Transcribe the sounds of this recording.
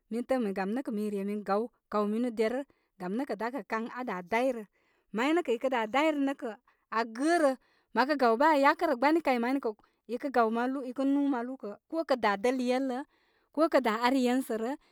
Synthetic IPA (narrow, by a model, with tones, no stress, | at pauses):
mi˦n˦tə˦mi˨ɡa˨mnə˦kə˨mi˨ɾe˨mi˨n˦ɡa˨w | ka˨wmi˦nu˦de˨ɾə˦ | ɡa˨mnə˦kə˨da˨˦kə˨ka˦ŋa˨da˨da˦jɾə˨ | ma˨˦ji˦nə˦kə˨i˨kə˦da˨da˦i˦ɾə˨nə˦kə˨ | a˨ɡə˦ɾə˨ | ma˨k̬ə˦ɡa˨wba˦˨ja˦kə˦ɾə˨ɡ͡ba˦ni˦ka˨i˨ma˨˦i˦nə˦kə˨ | i˨kə˦ɡa˨wma˦lu˦i˨kə˦nu˦ma˨lu˦kə˨ko˦kə˨da˨də˦ljə˦lːə˦ | ko˦kə˨da˨a˦ɾi˦jə˦nsə˨ɾə˦